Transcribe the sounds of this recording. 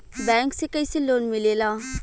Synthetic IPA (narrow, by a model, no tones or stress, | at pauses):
bɛ̃ːŋksekəiseloːnmɪleːlaː